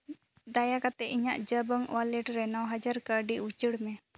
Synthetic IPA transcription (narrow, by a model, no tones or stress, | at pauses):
d̪ajakat̪ɛiɲaʔd͡ʒəbəŋwalɛʈɾɛnɔwɦad͡ʒaɾkəɖiut͡ʃəɽmɛ